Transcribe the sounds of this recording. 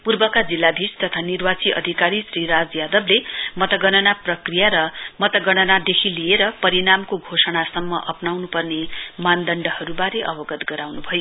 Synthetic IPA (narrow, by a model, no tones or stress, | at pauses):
purbʌkad͡zilːabʱist̪ʌt̪ʰanirwat͡siʔʌ̰d̪ʱikaɾisriɾad͡zjad̪ʌblemʌt̪ʌɡʌnʌnaprʌkrijaɾʌmʌt̪ʌɡʌnʌnad̪ekʰilijeɾʌpʌɾinamkoɡʱosʌɽasʌmːʌʔʌpnawnupʌrnemand̪ʌɳɖʌhʌɾubaɾeʔʌbʌɡʌt̪ɡʌɾawnubʱʌjo